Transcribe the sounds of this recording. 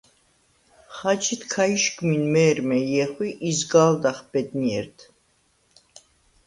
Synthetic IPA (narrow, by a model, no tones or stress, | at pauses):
χat͡ʃʰit̪kʰaiʃɡminmɛːɾmɛjɛχwiʔizɡald̪aχb̥ɛd̪niɛ̰ɾt̪ʰ